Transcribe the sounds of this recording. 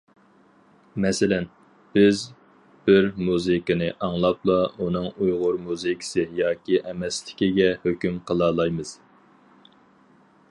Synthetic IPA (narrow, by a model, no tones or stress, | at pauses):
mɛsɪlɛn | b̥ɪz | b̥ɪɾmuzɨkɨnɨʔɑŋlˠɑplˠɑunɨŋujʁʊɾmuzɨkʰi̥sɨjɑːkʲiʔɛmɛslɪ̥kʲiɡʲɛhøkʲymqʰəlˠɑːlˠɑjmɨz̥